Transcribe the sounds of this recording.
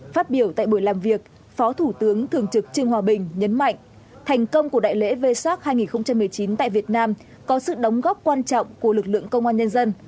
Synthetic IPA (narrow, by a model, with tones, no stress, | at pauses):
faː˦˥t̚ɓi˧˩əwt̪a̰ː˧˨jɓu˧˩jlaː˨˩mvi˨˩ək̚ | fɔ˨˦t̪ʰu˧˩t̪ɨ˨˦əŋt̪ʰɨ˨˩əŋt͡ɕɨ˨˩k̚t͡ɕɨ˧əŋhwaː˧˩ɓï˨˩ŋ̟ɲə˨˦nma̰˧˨jŋ̟ | t̪ʰɛ˨˩jŋ̟kə˧wŋ͡mku˧˩əɗa̰ː˧˨jlḛ˧˥ve˧swaː˦˥t̚haː˧jŋi˨˩nxə˧wŋ͡mt͡ɕa˧mɨ˨˩əjt͡ɕi˨˦nt̪a̰ː˧˨jvi˨˩ət̚naː˧m | kɔ˨˦sɨ̰˧˨ɗə˨˦wŋ͡mɣɔ˦˥p̚kwaː˧nt͡ɕɔ̰˧˨wŋ͡mku˧˩əlɨ˨˩k̚lɨ̰˧˨əŋkə˧wŋ͡mʔaː˧nɲə˧nzə˧n